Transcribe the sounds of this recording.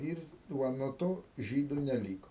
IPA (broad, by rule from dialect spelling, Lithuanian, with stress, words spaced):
ɪr ˈʋɐ nuɔ ˈtoː ˈʒʲiːdʊ nʲɛˈlʲiːkoː